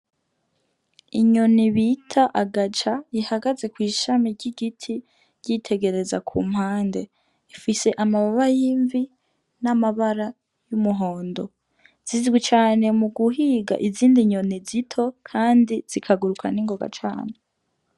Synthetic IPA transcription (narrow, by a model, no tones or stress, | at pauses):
iɲo̞niβitʰaʔaɡat͡ʃajihaɡaze̞kwiːʃamiɾɟiɡitʰi | ɾɟ̥itʰe̞ɡe̞ɾe̞za̰kʰṵːm̥haːnde | ifise̞ʔamaβaβajiːɱvi | namaβaɾa | jumuɦo̞ːndo̞ | z̥izɡwit͡ʃaːne̞muɡuɦiːɡa̰ʔiziːndiɲo̞nizitʰo̞kʰaːndiz̥ikʰaɡuɾukʰa̰niŋɡo̞ɡa̰t͡ʃa̰ːne